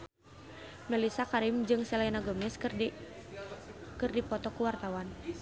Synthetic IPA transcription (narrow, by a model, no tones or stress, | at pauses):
mɛlisakaɾimd͡ʒɨŋsɛlainaɡɔmɛs | kɨrdipɔt̪ɔkuwart̪awan